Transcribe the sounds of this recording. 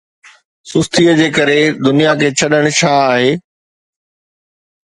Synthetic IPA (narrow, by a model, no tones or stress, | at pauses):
sʊst̪iəd͡ʑeːkɐɾed̪ʊnijakʰeːt͡ɕʰɐɗəɽ̃t͡ɕʰãaːɦeː